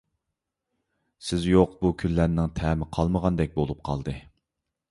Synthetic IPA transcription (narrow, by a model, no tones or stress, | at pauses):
sɪzjoqbukʲʰynlːæɾnɪŋt̪ʰɛmɪqʰɑlˠməʁɑnd̪ɛk̚ʲbolˠup̚qʰɑ̰lˠd̪ɨ